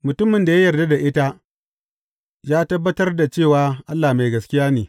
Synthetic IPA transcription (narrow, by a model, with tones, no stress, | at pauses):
mʊ˨tʊ˦mːɪ˨nda˨ja˦jɐ˨rda˦da˨ʔɪ˦ta˦ | jaː˦tɐ˦bːɐ˦tɐ˦rda˨t͡ʃeː˦˨waː˨˦ʔa˦lːaː˨ma˨jɡɐ˨skʲɪ˦jaː˦neː˨